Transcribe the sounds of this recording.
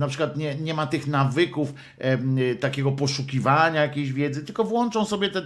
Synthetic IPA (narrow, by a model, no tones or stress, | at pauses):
napʂɘkwat̪ɲɛɲɛmat̪ɘxnavɘkuf | t̪akʲɛɡɔpɔʂukʲivaɲajakʲeɕvʲjɛd̪zɘt̪ɘlkɔvwɔnt͡ʂɔ̃w̃sɔbʲjɛt̪ɛ